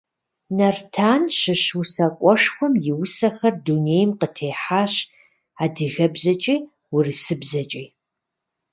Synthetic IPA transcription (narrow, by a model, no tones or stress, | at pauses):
nɐrtʰaːnɕɨɕwusɐkʷʼɔʂxʷɔmjɪwʊsɐxɐrduneːjmqətʰejħaːɕ | aːdɨɣɐbzɐt͡ʃʼiː | ʊrɨsɨbzɐt͡ʃʼiː